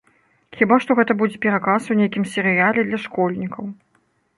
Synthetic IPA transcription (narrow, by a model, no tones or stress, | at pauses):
xʲibaʂt̪ɔɣɛt̪ɐbud͡zʲɛpʲɛɾakasunʲejkʲimsʲɛɾɨjalʲɛd̪lʲɐʂkɔlʲnʲikʰɐw